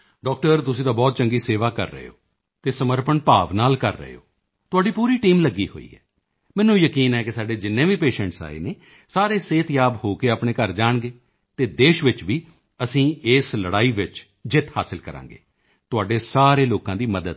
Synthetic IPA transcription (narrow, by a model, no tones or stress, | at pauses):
ɖɔːk̚ʈəɾt̪̬ʊsĩːt̪ãːbɔːt̪̚t͡ʃəŋɡiːseːʋaːkə̰ɾːə̰ɦḛo̰ː | t̪eːsəməɾpənpaːʋnaːlkə̰ɾːə̰ɦḛːo̰ː | t̪ʊaːɖiːpuːɾiːʈiːmləɡːḭːɦo̰ːḭːɦɛ̰ː | mɛ̃ːnːũːjəkiːnɛːkɪsaːɖeːd͡ʒɪnːẽːʋiːpeːʃɛ̃ːɳʈsa̰ːḛːneː | saːɾeːseːt̪jaːbhoːkeːaːpɳẽːkəɾd͡ʒaːɳɡeː | t̪eːd̪eːʃʋɪt͡ʃʋiː | əsĩːɪːsləɽaːiːʋɪt͡ʃ | d͡ʒɪt̪ʰhaːsɪlkəɾã̰ːŋɡḛː | t̪ʊaːɖeːsaːɾeːloːkãːd̪iːməd̪əd̪